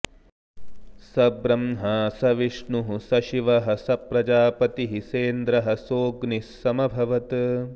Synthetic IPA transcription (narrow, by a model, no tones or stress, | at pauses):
sɐbɾɐmɦaːsɐʋiʂɳuɦusɐʃiʋɐɦɐ̆sɐpɾɐd͡ʒaːpɐt̪iɦiseːnd̪ɾɐɦɐ̆soːɡnisːɐmɐbʱɐʋɐt̪